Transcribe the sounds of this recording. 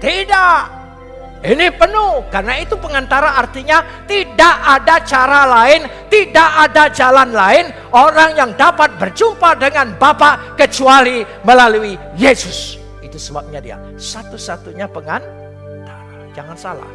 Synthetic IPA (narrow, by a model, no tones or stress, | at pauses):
t̪idaʔ | inipənʊhkarənait̪upəŋant̪aɾaːrt̪iɲa | t̪idaʔadat͡ʃaɾalaɪnt̪idaʔadad͡ʒalanlaɪn | oɾaŋjaŋdapat̪̚bərd͡ʒumpadəŋanbapaʔkət͡ʃuali | məlaluijesʊs | it̪usəbap̚ɲadia̰ | sat̪usat̪uɲapəŋan | t̪aɾad͡ʒaŋansa̰la̰h